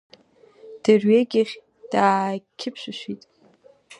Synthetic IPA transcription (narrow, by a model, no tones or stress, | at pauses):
d̥ɨrɥeɡʲɪχʲ | d̥aːkʲʰɪpʰʃʷᶣaʃʷitʼ